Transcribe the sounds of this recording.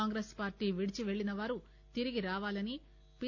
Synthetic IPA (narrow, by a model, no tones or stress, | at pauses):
aːŋɡɾespaːɾʈiːʋiɽit͡ʃiʋe̞ɭːinɐʋaːɾu | t̪iɾiɡiɾaːʋaːlɐni | pi